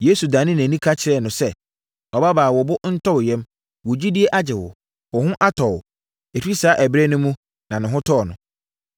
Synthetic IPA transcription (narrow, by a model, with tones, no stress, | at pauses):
je˦su˨dã˨nɪ̃˦næ̃˨nĩ˦kʰa˦t͡ɕʰɪ˨ɾɛ˦˨nʊ̃˨sɛ˦ | ɔ˨ba˦baː˨wɔ˨bʊ˦n̩˦tʰɔ˦wjɛ̃˦m | wɔ˨d͡ʑi˦di˦e˦ʔa˦d͡ʑɪ˨wʊ̰˨ | wɔ˨hʊ̃˦ʔa˦tʰɔ˨w | e˨tʰᶣi˦saː˨˦ʔæ˨bɾe˦nʊ̃˦mũ˦ | nã˨nɪ̃˨ɦʊ̃˦tʰɔ˦˨nʊ̃˨